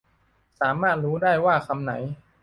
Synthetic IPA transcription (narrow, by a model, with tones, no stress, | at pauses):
saː˩˦maː˥˩t̪̚ɾuː˦˥daː˥˩jwaː˥˩kʰa˧mna̰˩˦j